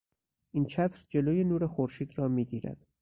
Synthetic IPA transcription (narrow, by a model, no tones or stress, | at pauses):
ʔint͡ʃʰæt̪ʰɾd͡ʒe̞loːjenuːɾexoɾʃiːd̪rɒːmiːd̪iːɾæ̰d̪̥